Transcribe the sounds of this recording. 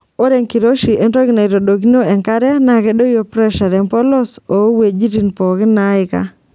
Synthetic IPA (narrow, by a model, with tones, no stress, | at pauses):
o˦ɾe˨ŋki˨ɾo˦ʃi˨ʔe˦nɾɔ˦ɡɪ˦na˨i˨ɾo˨do˨ɡi˦no˦ɛ˨ŋka˦ɾɛ˦na˨kɛ˦do˦jo˦pɾɛ˦ʃa˨ɾɛ˨mpɔ˦lɔ˦so˨˦we˨d͡ʒi˦ti˨npɔ˨kɪ˦na˦ɪ˨ka̰˦